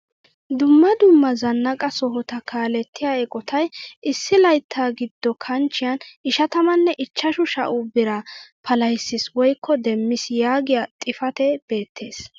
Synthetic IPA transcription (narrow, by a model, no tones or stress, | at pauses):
d̪ʊmːɐd̪ʊmːɐzɐnːɐkʼɐsɔɦɔt̪ɐkaːlɛt̪ʰːɪjaːɛkʼɔt̪ʰɐjʔɪsːɪlɐjt̪ʰːaːɡɪd̪ːɔkʰɐnt͡ʃːɪjɐnʔɪʃɐt̪ɐmɐnːɛʔɪt͡ʃːɐʃʊʃɐ̰ʔuːbɪɾɐpʰɐlɐjsːɪswɔjkʰːɔd̪ɛmːɪsjaːɡɪjat̪ʼɪfɐt̪ɛb̥e̞ːt̪ːe̞ːs